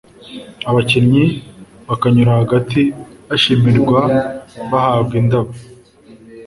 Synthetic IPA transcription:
aβacenɲiβakaɲuɾahaɡatiaʃimiɾɡwaβahaːbɡindaβu

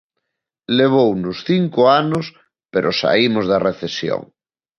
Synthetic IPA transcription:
leβ̞ownʊsθiŋkʊanʊs | peɾʔʊsa̰imʊzðɐreθesjo̰ŋ

